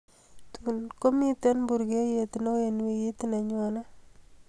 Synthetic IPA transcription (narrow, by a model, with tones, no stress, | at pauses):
t̪unko˦mi˦t̪e˦nbu˨ɾɡe˦je˨t̪no˦je˨nwi˨ji˦t̪ine˨ɲɔ˨na˦